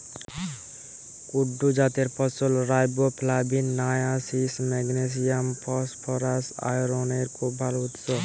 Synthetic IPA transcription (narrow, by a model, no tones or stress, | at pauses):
kʊɖud͡ʒaːt̪eɾpɔsʊlɾaːjbopʰlaːbinnaːjasismɛɡnes̬ijampʰɔspʰɔɾasa̰ːjɾoːneɾkobʱalʊt̪so